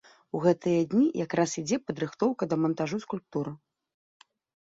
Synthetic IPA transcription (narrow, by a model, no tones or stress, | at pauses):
uɣɛt̪ɨjɐd̪ʲnʲijʔakɾasid͡zʲɛpɐd̪ɾɨxt̪ɔwkɐd̪ɐmɐnt̪aʐuskulʲp̚t̪uɾɨ